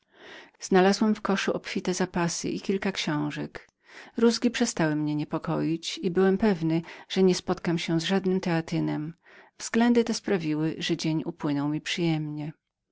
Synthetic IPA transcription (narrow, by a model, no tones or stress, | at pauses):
z̥nalazwɛmfkɔʂuʔɔpfʲit̪ɛzapasɘ̰ʔikʲilkakɕɔ̃w̃ʐɛk | ɾuzɡʲipʂɛst̪awɘmɲɛɲɛpɔkɔjit͡ɕibɘwɛmpɛvnɘʐ̥ɛɲɛspɔt̪kamɕɛzʐad̪nɘmt̪ɛat̪ɘnɛm | vz̥ɡlɛnd̪ɘt̪ɛspɾavʲiwɘʐɛd͡ʑeɲupwɘnɔwmʲipʂɘjɛmɲɛ